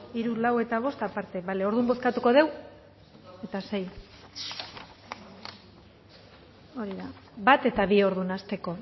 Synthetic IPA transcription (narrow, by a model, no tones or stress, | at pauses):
iɾulawe̞t̪aβ̞o̞st̪apaɾt̪e̞βale̞o̞ɾðumbo̞skat̪uko̞ð̞e̞w | e̞t̪ase̞j | o̞ɾiðabat̪e̞t̪aβio̞ɾðunast̪e̞ko̞